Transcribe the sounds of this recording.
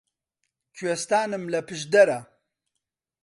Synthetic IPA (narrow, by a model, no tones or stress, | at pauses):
t͡ʃʰɥest̪aːnɨmlɐpʰɨʒd̪ɐɾɐ